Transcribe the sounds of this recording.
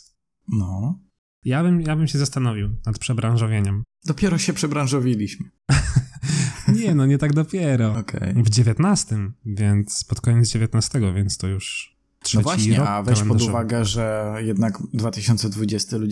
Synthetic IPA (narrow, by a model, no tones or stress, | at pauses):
nɔ | jabɘmjabɘmɕɛzast̪anɔvʲiwnat̪pʂɛbɾãñʐɔvʲjeɲɛm | d̪ɔpʲjɛɾɔɕɛpʂɛbɾãñʐɔvʲilʲiɕmɘ | ɲɛnɔɲɛt̪aɡd̪ɔpʲjɛɾɔɔkʰɛ̰jvd͡ʑevʲjɛt̪nast̪ɘmvʲjɛnt̪spɔt̪kɔɲɛd̪zd͡ʑevʲjet̪nast̪ɛɡɔvʲjɛntst̪ɔjuʂ | tʂɔɛvwaiɲɾɛɔavɛlɛnpɔd̪uvaɡɛʐɛjɛd̪naɡd̪vat̪ɘɕɔnt̪sɛd̪vud͡ʑɛst̪ɘlu